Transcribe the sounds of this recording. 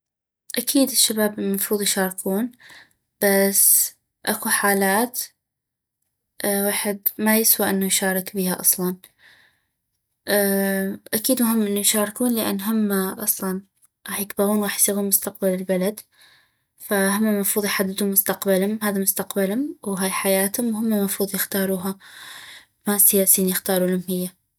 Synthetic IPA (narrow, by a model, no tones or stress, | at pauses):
ʔakʰiːd̪ɪʃːabaːbmɑfɾuːðˤjʃɑːɾˤkʰuːn | b̥as | ʔakuħaːlaːt̪ | ʔwaːħɪd̪majɪswaʔɪnːujʃɑːɾˤɪkbihaʔɑ̰sˤlɑn | ʔ | ʔakiːd̪mʊɦɪmːʔɪnːujʃaːɾˤkuːnlɪʔa̰nːɦamːaʔɑsˤlɑn | ɣɑːħjɪkbɪɣuːnɣɑːħjsiːɣunmʊst̪aq̚balɪlbalad̪ | fahʊmːamɑfɾuːðˤjħad̪ːɪd̪hʊmʊst̪aqbalhʊmɦaːðamʊst̪aqbalhʊmwɦaːjħajaːt̪hʊmwhʊmːamɑfɾuːðˤjɪxt̪ɑːɾˤuːɦa | masɪjaːsiːnjɪxt̪ɑːɾˤulʊmhɪjːa